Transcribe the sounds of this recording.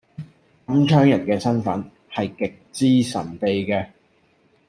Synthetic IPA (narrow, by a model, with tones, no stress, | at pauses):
kɐ˨˥mt͡ʃʰœː˥ŋjɐ˨˩nkɛː˧sɐ˥nfɐ˨˥n | hɐ˨jkɪ˨k̚t͡siː˥sɐ̰˨˩np̪e˨jkɛː˧